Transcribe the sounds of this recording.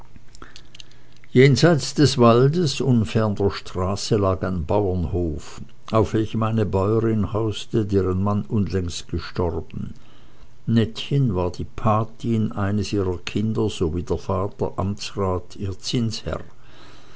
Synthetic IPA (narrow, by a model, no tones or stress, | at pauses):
jeːnzaɪt͡sd̥ɛsv̥aldəsʊnfɛɐndɐʃtʁ̥aːsəlaːkaɪnbaʊɐnhoːf | ʔaʊfv̥ɛlçəmaɪnəbɔʏəʁɪnhaʊstədeːʁənmanʔʊnlɛŋstɡ̥əʃtɔʁbn̩ | nɛtçənvaːɐd̥iːpʰaɐtʰinʔaɪnəsʔiːʁɐkʰɪndɐz̥oviːdeːɐfaːtɐ̰ʔamt͡sʁaːtʰiːɐt͡sɪnshɛ̰ʁ